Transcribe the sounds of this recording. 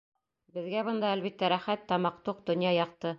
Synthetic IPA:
bɘ̆ðɡæbɤ̆nd̪ɑælβit̪ːæɾæχæt̪ːɑmɑq̚t̪uq̚d̪ŏnjɑjɑq̚t̪ɤ

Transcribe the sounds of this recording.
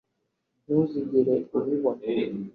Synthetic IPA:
nuziɟiɾeuβiβo

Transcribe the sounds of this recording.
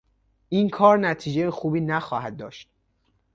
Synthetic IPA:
ʔinkʰɒːɾnæt̪ʰiːd͡ʒejexuːbiːnæxɒːhæd̪̚ːɒ̰ːʃt̪̚

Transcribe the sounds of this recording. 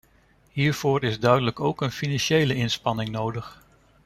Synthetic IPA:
ɦiːɹv̥oːɹɪzdœɥdələkowkənfinɑnʃejləɪnspɑnɪŋnowdəχ

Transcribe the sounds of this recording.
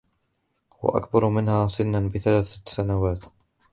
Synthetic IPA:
wa̰ʔa̰kbɑɾˤmɪnhaːsɪnːanbɪθalaːθsanawaːt̪

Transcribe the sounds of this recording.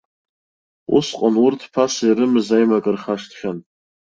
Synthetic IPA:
ṵsqʼanʊrtʰpʰasaiɾɨmɨzajmakʼɨrχaʂtχʲan

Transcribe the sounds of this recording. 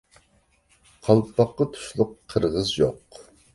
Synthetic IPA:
qʰɑlˠpʰɑqːɑt̪ʰu̥ʃlˠʊqʰːəɾʁəzjo̰q

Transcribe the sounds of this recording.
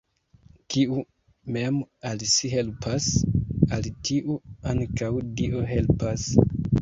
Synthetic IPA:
kʰiu | me̞malsiɦe̞lpʰasalitʰiʔuaŋkawdiʔoɦe̞lpas

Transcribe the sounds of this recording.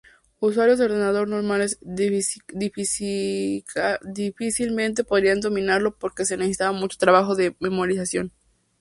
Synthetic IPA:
uswaɾjozðeoɾðe̞naðo̞ɾno̞ɾmale̞z | d̪if | kad̪ifisilmẽ̞nt̪̬e̞po̞ðɾiand̪o̞mĩnaɾlo̞po̞ɾke̞senesesi̥t̪aβamut͡ʃo̞̥t̪ɾaβaxo̞ðe̞me̞moɾisasjo̞n

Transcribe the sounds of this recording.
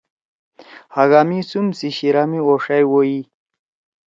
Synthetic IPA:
haɡaːmisumsiɕiɾaːmioʂajwoji

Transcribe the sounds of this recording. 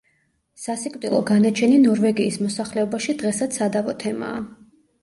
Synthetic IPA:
sasikʼwt̪ʼilˠɔɡanat͡ʃʰɛninɔɾvɛɡiːsmɔsaχlɛɔbaʃid̪ʁɛsat̪sʰad̪avɔt̪ʰɛma̰ː

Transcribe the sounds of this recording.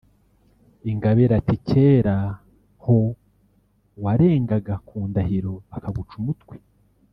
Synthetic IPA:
iŋɡaβeɾaticʰeːɾa | ho | waɾe̞ːŋɡaɡakuːndaɦiɾo̞βakaɡut͡ʃumutkwi̥

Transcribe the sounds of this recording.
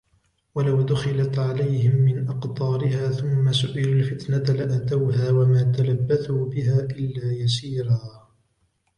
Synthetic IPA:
walawd̪ʊxɪlat̪ʕalajhɪmːɪnʔɑqt̪ˤɑːɾɪhaːθʊmːasʊʔɪlalfɪt̪nalɪʔat̪awɦaːwamaːt̪alabːaθuːbɪɦaːʔɪlːaːjas̬iːɾaː

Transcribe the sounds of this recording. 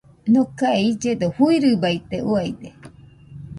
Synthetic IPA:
nõkaeid͡ʒed̪ohuiɾɨbait̪euajd̪e

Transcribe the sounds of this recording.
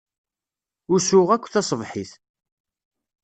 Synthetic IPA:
ʊɾsʊʁækʷːθɑsˤəvħiθ

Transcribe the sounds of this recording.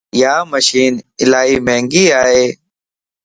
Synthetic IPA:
jaːməʃiːnɪlaːɦiːmẽːŋɡiːaːɦeː

